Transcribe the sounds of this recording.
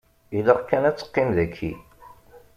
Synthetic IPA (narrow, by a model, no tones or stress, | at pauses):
iləʁkːænæt͡sːə̥qːimðækʰːḭ